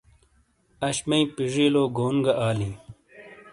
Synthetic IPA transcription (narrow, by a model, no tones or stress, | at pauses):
ɐɕmɐĩpiʐiːloːɡoːnɡɐʔaːlĩː